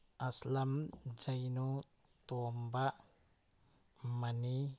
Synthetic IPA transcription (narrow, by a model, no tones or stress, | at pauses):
ʔaslamd͡ʒajnu | t̪umbaʔ | mani